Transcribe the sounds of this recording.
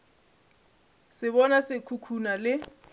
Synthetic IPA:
sɪβɔnasɪkʰukʰunalɪ

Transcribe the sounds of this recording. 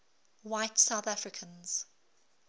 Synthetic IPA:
waɪtsaʊθafɹɪkʰə̃nz̥

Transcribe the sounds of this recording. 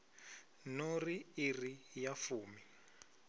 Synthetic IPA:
noriirijafuːmi

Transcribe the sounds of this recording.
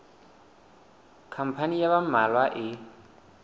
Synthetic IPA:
kʰam̩pʰanijaβamalwaʔi

